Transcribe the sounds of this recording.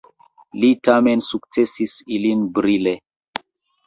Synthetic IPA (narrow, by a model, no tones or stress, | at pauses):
litamensukt͡sesisilinbɾile